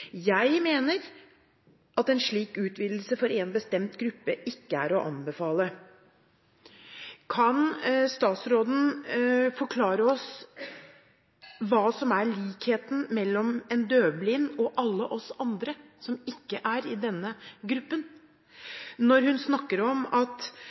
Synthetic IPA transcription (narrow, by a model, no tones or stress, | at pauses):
jæɪmeːnəɾ | ʔɑt̪ɛnʂɭiːkʉːt̪ʋiːd̪l̩səfɔɾeːnbəst̪ɛmt̪ɡɾʉpːəʔɪkːəæ̰ɾɔʔɑnbəfɑːlə | kʰɑnst̪ɑːt̪sɾoːd̪n̩fɔɾkʰlɑːɾəɔs | ʋɑːsɔmæɭiːkheːt̪n̩mɛlːɔmɛnd̪øːblɪːnɔʔɑlːəʔɔsɑnd̪ɾəsɔmɪkːəʔæɾɪd̪ɛnːəɡɾʉpːən | nɔɾhʉnsnɑkːəɾɔmɑt̪